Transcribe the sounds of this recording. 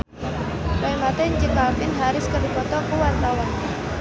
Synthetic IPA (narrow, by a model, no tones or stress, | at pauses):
baimat̪ɛɲd͡ʒəŋkalmɪnɦaɾɪskərdipɔt̪ɔkuwart̪awan